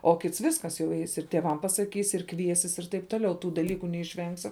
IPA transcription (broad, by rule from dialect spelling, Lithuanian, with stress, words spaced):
oː ˈkʲɪts ˈʋʲɪskɐs jɛʊ ˈɛɪs ɪr tʲeːˈʋɐm pɐsɐˈkʲiːs ɪr ˈkʋʲiɛsʲɪs ɪr tɐɪp ˈtoːˌlʲɛʊ ˈtuː dɐˈlʲiːkʊ nʲɛɪʃʲˈʋʲɛŋksʲɪ